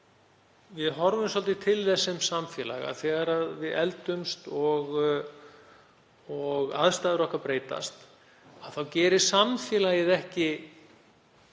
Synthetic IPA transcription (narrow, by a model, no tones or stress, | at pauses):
vɪðɦɔɾvʏmsɔlt̪ɪt̪ʰɪlθɛsːɪmsamfjɛːla̰ɣa̰θɛːɣaɾaðvɪðɛ̰lt̪ʏmst̪ɔɣ | ɔɣa̰ðst̪aːðɪɾɔhkapɾeːjt̪a̰st̪ | aðθawcɛːɾɪ̥samfjɛːlajɪðɛhcɪ